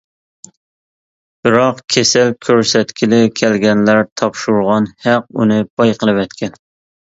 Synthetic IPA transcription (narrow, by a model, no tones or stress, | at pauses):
b̥ɪɾɑqkʲʰesælkʲʰøɾsɛt̪kʲʰilɪkʲʰælɡʲɛnlæɾt̪ʰɑpʃuɾʁɑnhæq̚ṵnɨb̥ɑjqəlˠɨvɛt̪kʲɛn